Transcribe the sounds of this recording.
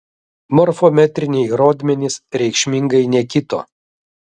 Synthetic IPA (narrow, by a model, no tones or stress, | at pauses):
mɔɾfɔmʲɛt̪ʲɾʲɪnʲɛɪɾoːd̪ʲmʲɛnʲɪsɾʲɛɪkʃʲmʲɪŋɡɐɪnʲɛkʲɪt̪o̰ː